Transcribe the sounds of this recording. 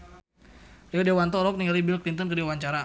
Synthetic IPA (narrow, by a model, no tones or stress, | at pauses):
ridewant̪ɔɾɔk̚niŋalibɪlklint̪ənkərdiawaɲt͡ʃaɾa